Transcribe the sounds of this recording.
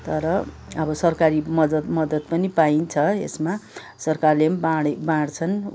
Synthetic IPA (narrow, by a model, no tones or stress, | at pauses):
t̪ʌɾʌʌbʌsʌrkaɾimʌd̪ʌt̪mʌd̪ʌt̪̚pʌnipaint͡sʰʌḛsma | sʌrkarlembaɽebãɽt͡sʰʌn